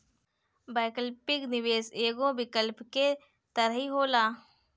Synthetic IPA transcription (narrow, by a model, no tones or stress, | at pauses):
baːkəlpɪknɪʋeːseːɡõbɪkəlpke | t̪əɾəɦiɦoːlaː